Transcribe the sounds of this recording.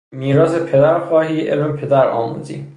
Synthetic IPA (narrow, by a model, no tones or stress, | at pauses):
miːɾɒːsepʰe̞d̪æɾxɒːhiːʔḛlmepʰe̞d̪æɾɒ̰ːmṵːzḭː